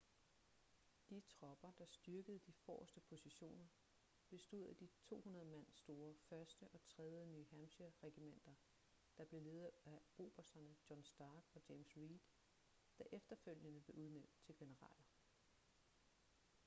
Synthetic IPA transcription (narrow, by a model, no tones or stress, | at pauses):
d̥it͡sʰʁɒ̽b̥ɐd̥ɑ̈sd̥yɐɡ̥əð̞̩ˠd̥ifɒ̰ːsd̥əpʰo̝siɕo̝̰ːnɐ | ʋ̥e̝sd̥uð̰ˠæd̥it͡sʰo̝̰ːhunɐð̞̩ˠəmen̰sd̥o̝ːɐfɶɐsd̥əʔɒ̽t͡sʰʁɛð̞ˠjəny̰ːɦæmɕɐʁɛɡ̥imen̰d̥ɐ | d̥ɑ̈b̥le̝le̝ːð̞ˠæo̝ːb̥ɐsɐnəd̥jɒ̽nsd̥ɑːɡ̥ɒ̽d̥eɪmsʁiːd̥ | d̥æʔefd̥ɐføl̰jənəb̥e̝ʔuð̞ˠnem̰d̥̚t͡sʰe̝lɡ̥e̝nəʁɑ̰̈ːlɐ